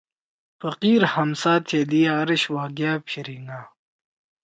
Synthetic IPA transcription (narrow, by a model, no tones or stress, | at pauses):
fɐqiːɾhɐmsaːt̪ʰeːlijaːɾiɕwaːɡjaːpʰiɾiŋɡaː